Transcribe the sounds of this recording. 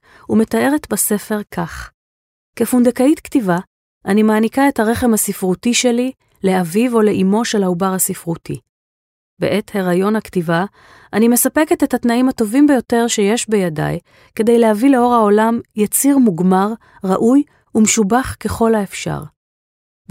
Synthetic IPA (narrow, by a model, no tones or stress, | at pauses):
ume̞t̪ae̞ʁetbase̞fe̞ʁkʰaχ | kefund̪ekaitktiva | ʔanimaːnikae̞thaʁe̞χe̞mhasifʁutiʃe̞li | le̞avivo̞le̞ʔimo̞ʃe̞laubaʁhasifʁutḭ | be̞̰ʔe̞theʁajo̞nhaktiva | anime̞sape̞ketethatnaimhato̞vimbejo̞te̞ʁʃe̞je̞ʃbejada̰j | ke̞dejlehavileo̞ʁao̞lamjat͡siʁmuɡmaʁ | ʁaʔuj | umeʃubaχke̞χo̞lhaefʃa̰ʁ